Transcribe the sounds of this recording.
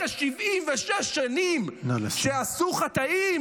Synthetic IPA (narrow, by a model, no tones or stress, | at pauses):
aʃivʔimveʃeʃːanimʃeasuχat̪aim